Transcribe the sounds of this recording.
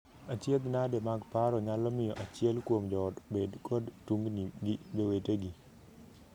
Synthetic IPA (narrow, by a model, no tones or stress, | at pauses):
at͡ʃjed̪nademaɡpaɾɔɲalɔmɪjɔʔat͡ʃɪɛlkwomd͡ʒɔdbedkʰɔdtuŋɡniɡɪbeweteɡi